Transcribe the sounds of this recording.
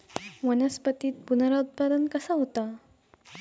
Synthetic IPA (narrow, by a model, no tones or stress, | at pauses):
ʋənəspət̪iːt̪̚punəɾaut̪̚pad̪ənkəsaɦot̪a